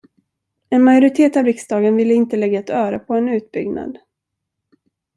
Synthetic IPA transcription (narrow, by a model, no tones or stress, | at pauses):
ɛnmajʊɾɪt̪ʰeːt̪avɾɪksd̪ɑːɡənvɪlːəɪnt̪əlɛɡːaɛt̪œːɾəpʰɔɛnʉ̟ːt̪̚bʏɡna̰d̪